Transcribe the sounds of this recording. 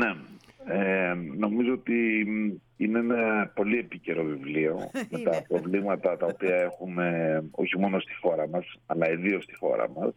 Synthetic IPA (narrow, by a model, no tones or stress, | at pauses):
ne̞eno̞mizo̞ot̪i | ineenɐpo̞lie̞pice̞ɾo̞vivlio̞me̞t̪ɐpɾo̞vlimɐt̪ɐt̪ɐo̞piɐe̞xume̞o̞̰çimo̞no̞st̪i̥xo̞ɾɐmɐsɐlɐiðio̞st̪i̥xo̞̰ɾɐ̰mɐs